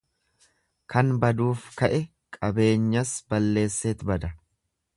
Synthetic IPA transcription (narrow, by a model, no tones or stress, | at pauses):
kʰɐnbɐd̪uːfkɐʔɛ | kʼɐbe̞ːɲːɐsbɐlːe̞ːsːe̞ːt̪bɐd̪ɐ